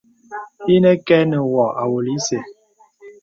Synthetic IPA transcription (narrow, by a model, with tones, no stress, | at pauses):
i˦nɛ˦kɛ˦nɛ˨wɔ˨a˨wo˨li˨˦se˨